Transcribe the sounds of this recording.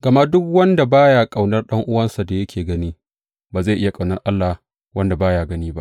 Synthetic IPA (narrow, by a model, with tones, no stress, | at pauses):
ɡ̥ɐ˨ma˦dʊ˦kwɐ˦nda˨baː˦jaː˨kʼa˨wnɐ˦rɗɐ˦ŋʔʊ˦wɐ˦nsa˨da˨jɐ˦kʲʰeː˨ɡɐ˦niː˦ | baː˨za˦˨ʔɪ˦ja˨kʼa˨wnɐ˦rʔa˦lːa˨ | wʔɐ˦nda˨baː˦jaː˨ɡɐ˦niː˦ba̰˦ʔ